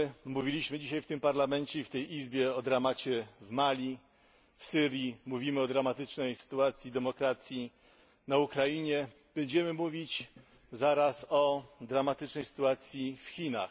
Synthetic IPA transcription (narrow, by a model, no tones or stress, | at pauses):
muvʲilʲiɕmɘd͡ʑiɕajft̪ɘmpaɾlamɛɲt͡ɕɛift̪ɛjʔizbʲjɛɔd̪ɾamat͡ɕɛvmalʲi | fsɘɾʲjimuvʲimɘɔd̪ɾamat̪ɘt͡ʂnɛjsɘ̥t̪uat̪sʲjid̪ɛmɔkɾat̪sʲji | naukɾajiɲɛ | b̥ɛɲd͡ʑɛmɘmuvʲit͡ɕ | zaɾasɔd̪ɾamat̪ɘt͡ʂnɛjsɘ̥t̪uat̪sʲjifxʲina̰x